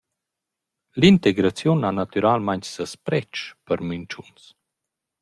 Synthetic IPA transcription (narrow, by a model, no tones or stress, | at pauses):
lint̪eɡɾat͡sjunanat̪yɾalmaɲtsəspɾɛt͡ʃpəɾmynt͡ʃuns